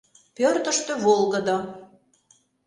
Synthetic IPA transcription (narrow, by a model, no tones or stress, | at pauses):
pørt̪əʃt̪ø̆βolˠɣəd̪o